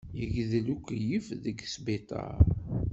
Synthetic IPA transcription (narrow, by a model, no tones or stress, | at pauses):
jəɡðlukʷːjəfðəɡsbit̪ˤɑ̰ɾɾ